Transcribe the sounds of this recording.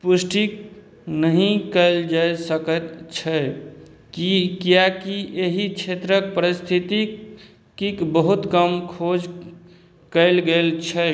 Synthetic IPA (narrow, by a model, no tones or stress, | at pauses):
pusʈik | nəɦĩkəɪld͡ʒaesəkət̪t͡ʃʰə | kikijakiʔeɦikt͡ʃʰet̪ɾək̚pəɾist̪ʰit̪i | kikbəɦut̪kəmkʰod͡ʒ | kəɪlɡelt͡ʃʰə